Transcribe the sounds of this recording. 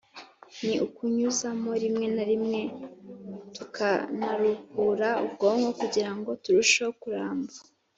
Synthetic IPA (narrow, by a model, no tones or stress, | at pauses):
niʔukuɲuzamo̞ɾimŋe̞naɾimŋe̞ | tukʰanaɾukuɾaub̚ɡoŋɡo̞kuɟiɾaŋɡo̞tuɾuʃokuɾaːmba